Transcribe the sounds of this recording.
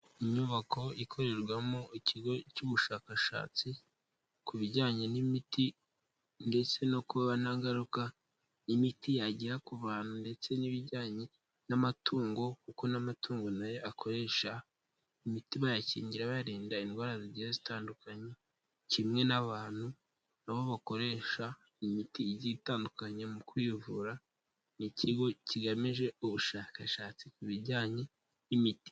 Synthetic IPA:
iɲuβakʰo̞ikʰo̞ɾe̞ɾɡwamoiciɡo̞cuβuʃaːkaʃa̰ːt͡si | kuβiɟaːɲe̞nimiti | nde̞t͡se̞no̞kuβaβanaːŋɡaɾuka | imitijaɟiɾakuβaːnhunde̞t͡seniβiɟaːɲe̞ | namatʰuːŋɡo̞kuko̞namatʰuːŋɡo̞najo̞ʔakʰo̞ɾe̞ːʃa | imitimajacḭːɲɟiɾaβaɾiːndainɡwaːɾaziɟiɾezitaːndukaɲe | cimŋe̞naβaːn̥hu | naβo̞βako̞ɾe̞ʃa | imitiːɟitaːndukaɲemukwivuɾa | nicʰiɡo̞ciɡamiʒe̞uβuʃaːkaʃaːt͡sikuβiɟaːɲe̞ | imiti̥

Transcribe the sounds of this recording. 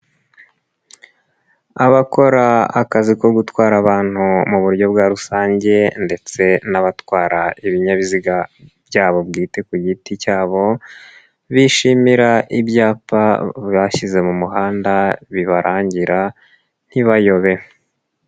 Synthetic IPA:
aβako̞ɾaakaziko̞ɡutwaːɾaβaːn̥humuβuɾjo̞bɡaɾusaːɲɟe̞nde̞t͡se̞naβatwaːɾaʔiβiɲaβiziɡab̥jaːβo̞bɡiːte̞kuɟiticaːβo̞ | βiʃimiɾaʔibjaːpaβaçize̞mumuɦaːndaβiβaɾʔaːɲɟiɾa | n̥hiβajo̞βe̞

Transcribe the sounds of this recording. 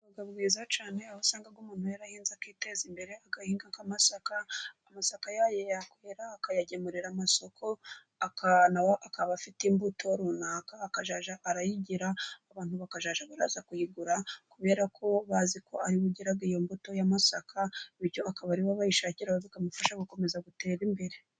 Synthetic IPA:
βaɡabɡiːzat͡ʃaːne̞aβasaːŋɡaɡumuːn̥hujaɾahiːnzakiːte̞zimbe̞ɾeaɡahiːŋɡaŋkamasakaː | masakajajejakweːɾaːkajaɟemuɾiɾamaso̞kʰo̞ | akanawoʔakaβafitimbutʰo̞ɾuːnaːkaːkaʒaːʒaʔːɾajiɟiɾaːβaːn̥huβakaʒaːʒaβaɾa̰zakujiɡuɾakuβe̞ːɾakʰo̞βazikʰo̞aɾiβuɟiɾaɡijombuto̞jamasakʰaβiɾjo̞akaβaɾiβaβajiʃaːciɾawaβikamufaʃaɡuko̞me̞zaɡute̞ːɾimbe̞ɾe̞

